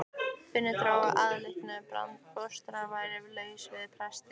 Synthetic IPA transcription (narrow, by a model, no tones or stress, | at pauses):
fɪnːɪt̪ɾaːwa̰ʔaðlɪhknʏpɾa̰nt̪fɔst̪ʏɾavaːjɾɪvɪlœːɥsvɪðpʰɾɛst̪